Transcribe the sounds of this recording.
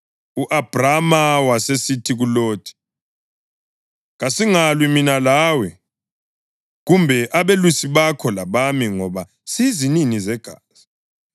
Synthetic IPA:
uʔab̥ʱramawasesitʰiɣuloːd̥ʱi̥ | ɣasiŋalwiminalaːwɛ | ɣumbʱɛʔaβelusiβakʰɔlaβamiŋɔβa | sizininizɛɡ̥ʱaːz̥i

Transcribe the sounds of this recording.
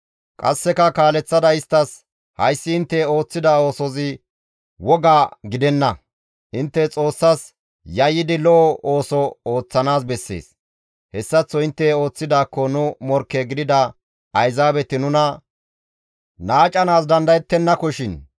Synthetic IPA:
kʼɐ̰sːɛkɐkaːlɛt͡sːɐd̪ɐɪst̪ːɐs | hɐjsːɪɪnt̪ːɛo̞ːt͡sːɪd̪ao̞ːsɔzɪ | wɔɡaːɡɪd̪ɛnːɐ | ʔɪnt̪ːɛt͡sʼo̞ːsːɐs | jɐjːɪd̪ɪlɔʔɔoːsɔoːt͡sːɐnaːs̬bɛsːe̞̰ːs | hɛsːɐt͡sːɔɪnt̪ːɛo̞ːt͡sːɪd̪aːkːɔnʊmɔɾkːeɡɪd̪ɪd̪ɐ | ʔɐjzaːbɛt̪ɪnʊnɐ | naːt͡ʃʼɐnaːsd̪ɐnd̪ɐjɛt̪ːɛnːɐkɔʃɪn

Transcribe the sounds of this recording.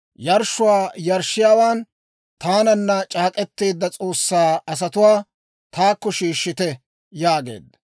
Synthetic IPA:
jɐɾʃːʊwaːjɐɾʃːɪjaːwaːn | t̪aːnɐnːɐt͡ʃʼaːkʼɛt̪ːeːd̪ːɐt͡sʼo̞ːsːaːɐs̬ɐt̪ʊwaː | t̪ʰaːkːɔʃiːʃːɪt̪ɛ | jaːɡe̞̰ːd̪ːɐ

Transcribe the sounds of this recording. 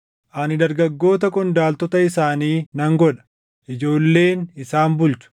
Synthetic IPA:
ʔɐnɪd̪ɐɾɡɐɡːo̞ːt̪ɐkʼʊnd̪aːlt̪ɔt̪ɐɪsaːniːnɐŋɡɔᶑɐ̥ | ʔɪd͡ʒo̞ːlːe̞ːnɪsaːnbʊlt͡ʃʊ̥

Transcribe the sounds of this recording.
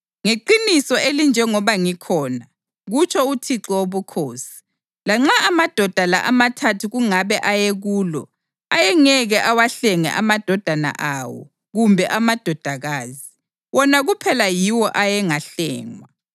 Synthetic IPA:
ŋeǃinisɔelind͡ʒʱɛŋɔβaŋikʰɔːna | ɣut͡ʃʰɔutʰiǁɔoβukʰoːsi̥ | laŋ͡ǁaːmad̥ʱɔd̥ʱala̰ʔamatʰatʰuɣuŋaβɛʔajeɣuːlɔ | ajɛŋɛɣɛʔawaɬɛŋɛ̰ʔamad̥ʱɔd̥ʱana̰ʔawɔ̰ | ɣumbʱɛʔamad̥ʱɔd̥ʱaɣaːzi | wɔnaɣupʰɛlajiwɔʔajɛŋaɬɛ̰ːŋwa

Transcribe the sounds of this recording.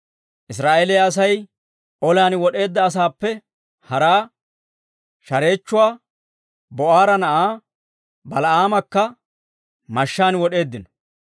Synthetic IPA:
ʔɪsɾaːʔeːlɛjɐs̬ɐj | ʔɔljaːnwɔɗe̞ːd̪ːɐːs̬aːpːɛ | hɐɾaː | ʃɐɾe̞ːt͡ʃːʊwaː | bɔʔaːɾɐnɐʔaː | bɐlɐʔaːmɐkːɐ | mɐʃːaːnwɔɗe̞ːd̪ːɪnɔ

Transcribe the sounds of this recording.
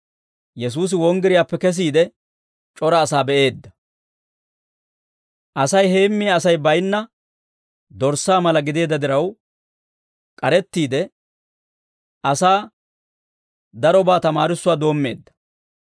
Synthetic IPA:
jɛs̬uːs̬ɪwɔŋɡɪɾɪjaːpːɛkɛs̬iːd̪ɛ | t͡ʃʼɔɾɐːsaːbɛʔe̞ːd̪ːɐ̥ | ʔɐsɐjhe̞ːmːɪjaːsɐjbɐjnːɐ | d̪ɔɾsːaːmɐlɐɡɪd̪e̞ːd̪ːɐd̪ɪɾɐw | kʼɐɾɛt̪ːiːd̪ɛ | ʔɐsaː | d̪ɐɾɔbaːt̪ɐmaːɾɪsːʊwaːd̪o̞ːmːe̞̰ːd̪ːɐ̥

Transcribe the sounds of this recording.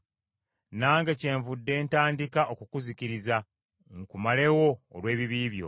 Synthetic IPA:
naːŋɡece̞ːɱvudːe̞ːntaːndikaʔo̞kukuziciɾiza | ŋkumale̞wo̞̰ːlwe̞ːβiβiːβjo̞̰

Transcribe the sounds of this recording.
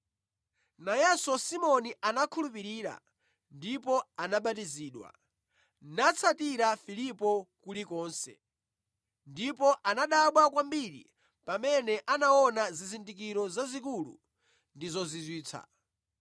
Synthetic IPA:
najɛsɔsimɔniʔanakʰulupiɾiːɾa̰ | ndipɔanaɓat̬iziːɗwa̰ | nat͡sʰatiɾafilipɔkulikɔːnsɛ̰ | ndipɔʔanaɗaɓwakwambiɾḭ | pamɛnɛʔanaɔnazizindik̬iɾɔzazik̬ulṵ | ndizɔzizwiːt͡sʰa̰

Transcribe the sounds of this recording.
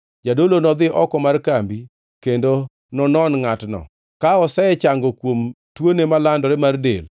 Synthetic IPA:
d͡ʒadolonɔd̪ɪʔɔkɔmarkambi | kendo | nɔnɔnŋatnɔ̰ | kaɔsɛɛt͡ʃaŋɡɔkwom | twonemalandɔɾɛmardḛl

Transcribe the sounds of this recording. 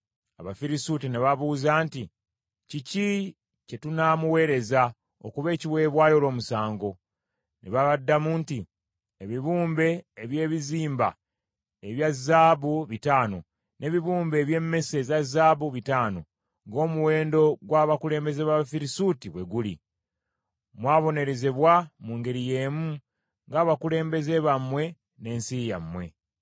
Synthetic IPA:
aβafiɾisutineβaβuzaːnti | cici | ce̞tunamuwe̞ːɾe̞za | o̰kuβe̞ːciwe̞ːβwaːjo̞lo̞ːmusaːŋɡo̞ | nḛβaβadːamuːnti | eβiβuːmbe̞ːβje̞ːβiziːmba̰ | eβjazːaːβuβitaːno̞̰ | nʔe̞βiβuːmbe̞ːβje̞mːe̞se̞zazaːβuβitaːno̞ | ŋɡo̞ːmuwe̞ːndo̞ɡwaːβakule̞ːmbe̞zeβaβafiɾisuːtiβwe̞ɡulḭ | mwaːβo̞ne̞ɾe̞zeβwamuːŋɡe̞ɾije̞ːmu | ŋɡaːβakule̞ːmbe̞ze̞βamwe̞ | ne̞ːnsijamwe̞̰

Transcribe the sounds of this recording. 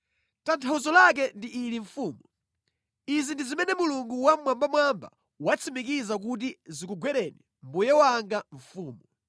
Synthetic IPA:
tantʰauzɔlak̬ɛndiʔːliɱfuːmu | izindizimɛnɛmuluŋɡuwamwambamwamba̰ | wat͡sʰimik̬izakut̬izikuɡwɛɾɛni | mbujɛwaŋɡaɱ̩fuːmɔ

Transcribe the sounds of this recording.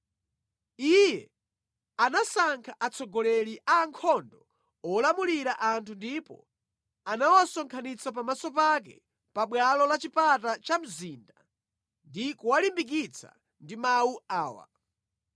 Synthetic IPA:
ijɛ | anasaŋkʰaʔat͡sʰɔɡɔlɛɾiʔaːŋkʰɔndɔ | ɔlamuliɾaʔantʰundipɔ̰ | anawasɔŋkʰanit͡sapamasɔp̬ak̬ɛ̰ | paɓwalɔlat͡ʃipatat͡ʃam̩ziːnda | ndikuwalimbik̬it͡sʰa̰ | ndimawuaːwa̰

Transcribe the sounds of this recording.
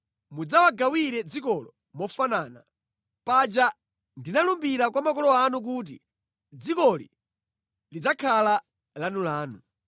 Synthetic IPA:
mud͡zawaɡawiɾɛd͡zikɔlɔ | mɔfanaːna | pad͡ʒa | ndinalumbiɾakwamakɔlɔanuk̬uːt̬ḭ | d͡zikɔli | lid͡zakʰala | lanulaːnu

